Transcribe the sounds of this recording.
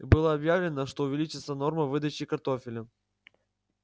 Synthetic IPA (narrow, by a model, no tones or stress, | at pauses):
ibɨlˠəɐbjavlʲɪnəʂt̪oʊvʲɪlʲit͡ɕɪt̪səno̞rməvɨd̪ət͡ɕɪkɐrt̪o̞fʲɪlʲə